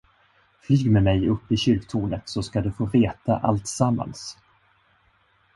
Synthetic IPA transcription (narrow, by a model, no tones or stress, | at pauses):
flyːɡmɛmɛjɵpːɪɕʏlkt̪ʰuːnət̪sɔskad̪ɵfoːveːt̪a̰ʔalt̪samːa̰ns